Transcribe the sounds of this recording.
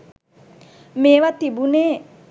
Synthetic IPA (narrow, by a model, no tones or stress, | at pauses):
meːʋat̪ibuneː